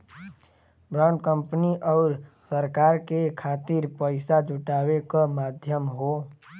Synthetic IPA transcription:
bɾaːɳɖ̚kə̃mpniʔɔːɾsəɾkaːɾkekʰaːt̪ɪɾpəɪsad͡ʒʊʈaːwekamaːd̪ʱjəmɦoː

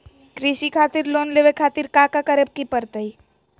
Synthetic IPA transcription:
kɾisikʰaːt̪iɾloːnleʋekʰaːt̪iɾkakakəɾeb̚kipəɾt̪əi

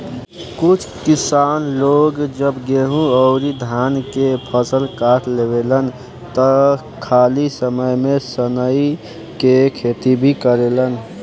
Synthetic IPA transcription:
kut͡ʃʰkisanloɡd͡ʒəbɡeɦũəʊɾid̪ʱankepʰəsəlkaʈʰlebelən | t̪ə | kʰalisəməjmesənəj | kekʰet̪ibʱikəɾelən

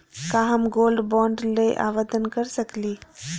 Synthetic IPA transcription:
kãːɦɐmɡoːlɖbɔːɳɖleʔa̰ːʋəd̪ənkəɾsəkliː

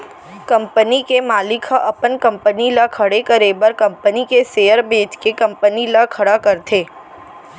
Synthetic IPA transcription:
kɐ̃mpənikemaːlɪkʰaʔɐpənkɐ̃mpənilakʰɐɽekəɾeːbəɾkɐ̃mpənikeseːjəɾbeːt̪kekɐ̃mpənilakʰɐɽakɐɾt̪ʰeː

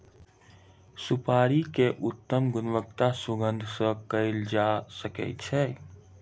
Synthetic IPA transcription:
sʊpaːɾikeʔʊt̪ːəmɡʊnʋək̚t̪asʊɡə̃nd̪ʱsəkəɪld͡ʒasəkɛ̰t͡ʃʰɛ

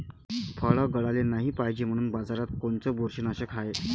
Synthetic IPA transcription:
fʰəɭəɡəɭalenaɦiːpaɦd͡ʑem̤əɽ̃uːnbad͡zaɾat̪̚koɳt͡səboɾɕinəɕəkʰae

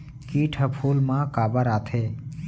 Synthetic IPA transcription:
kiːʈʰəpʰuːlmãkaːbəɾaːt̪ʰeː

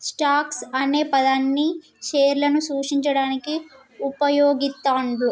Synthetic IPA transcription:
sʈaːksɐne̞ːpɐd̪ɐnːi | ʃeːɾlɐnusuːʂiɲt͡ʃɐɽaːniki | upɐjoːɡit̪ːaːɳɖlu

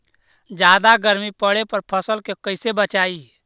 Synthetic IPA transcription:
d͡ʒaːd̪aɡəɾmipəɽepəɾpʰəsəlkekəɪsebət͡ʃaːi

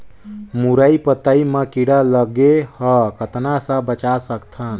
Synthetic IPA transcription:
muɾəipət̪əimekiɽaləɡehəkət̪nasə̃bət͡ʃasəkt̪ʰən

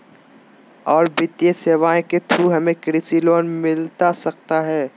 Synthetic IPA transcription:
ɔːɾbɪt̪ijeseːʋaːẽket̪ʰuɦɐmẽkɾɪsiloːnmɪlt̪asɐk̚t̪aɦɛː

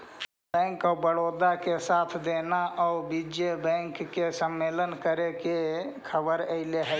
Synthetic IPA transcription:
bɛ̃ːŋkɔːɾbəɽoːd̪akesaːt̪ʰd̪eːnaʔɔːbid͡ʒebɛ̃ːŋkːesəmːeːlənkəɾekekʰəbəɾəɪleɦɛ

